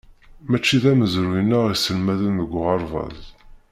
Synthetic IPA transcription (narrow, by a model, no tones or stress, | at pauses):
mæt͡ʃːiðæməzɾujənːæʁisəlmæðənðəɡʷːʁɑɾˤvɑ̰ð